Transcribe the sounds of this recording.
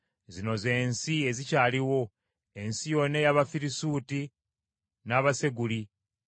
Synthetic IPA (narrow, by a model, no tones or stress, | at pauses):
zino̞ze̞ːnsie̞zicaːliwo̞ | e̞nsijo̞nejaβafiɾisuːti | naːβase̞ɡuli